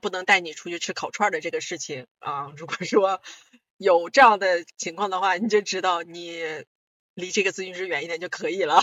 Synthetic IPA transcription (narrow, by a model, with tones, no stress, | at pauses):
pu˥˩nɤ˧˥ŋt̪a˥˩ɪni˨˩ʈ͡ʂʰu˧˥t͡ɕʰy˥˧ʈ͡ʂʰɻ̩˥kʰɑ˨˩ʊʈ͡ʂʰwa˥˩d̪ə˩ʈ͡ʂɤ˥˩ɡə˩ʂɻ̩˥˩t͡ɕʰi˩ŋɐ˥˧ɻu˧˥kwɔ˨˩ʂwɔ˥ | jo˨˩ʊʈ͡ʂɤ˥˧jɑ˥˩ŋd̪ə˩t͡ɕʰi˧˥ŋkʰwɑ˥˩ŋd̪ə˩xwa˥˩ni˨˩t͡ɕjo˥˩ʊʈ͡ʂɻ̩˥t̪ɑ˥˩ʊni˨˩˦ | li˧˥ʈ͡ʂɤ˥˩ɡə˩t͡sɹ̩˥˧y˥˧nʂɻ̩˥˧ɥɛ˧˥ni˥nd̪ə˧˩t͡ɕjo˥˩ʊkʰɤ˧˥i˨˩lə˦